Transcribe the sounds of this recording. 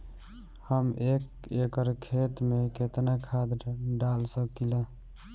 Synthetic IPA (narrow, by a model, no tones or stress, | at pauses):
həmek | ekəɾkʰet̪meket̪nakʰad̪ɖalsəkila